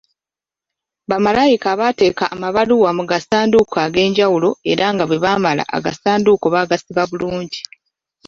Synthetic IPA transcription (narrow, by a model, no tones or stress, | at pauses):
βamalajikaβate̞ːkaʔːmaβaluwamuɡasaːndukʰaɡe̞ːɲɟawulo̞e̞ɾaŋɡaβwe̞βaːmala̰ʔa̰ɡa̰saːnduko̞βaɡasiβaβuluːɲɟi